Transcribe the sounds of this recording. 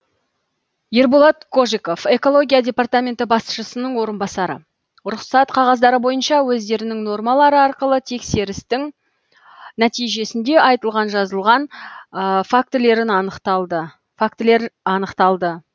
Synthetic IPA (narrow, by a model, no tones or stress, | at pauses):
je̞ɾbolˠɑt̪kʰo̞ʒiko̞fe̞ko̞lˠo̞ɡʲijadʲe̞part̪amʲe̞nt̪ɪbɑsʃəsənəɴwo̞ɾənbɑsɑɾə̰ | ɾʊqsɑt̪qʰɑʁɑzd̪ɑɾəbo̞jənʃɑwɵzd̪e̞ɾɪnɪŋno̞rmɑlˠɑɾəɑɾqəlˠət̪ʰe̞kse̞ɾɪst̪ɪŋ | næt̪ijʒe̞sɪnd̪e̞ʔɑjt̪əlˠʁɑnʒɑzəlˠʁɑn | fak̚t̪ɪle̞ɾɪnɑnəqt̪ɑlˠd̪ə | fakt̪le̞ɾɑnəqt̪ɑlˠd̪ə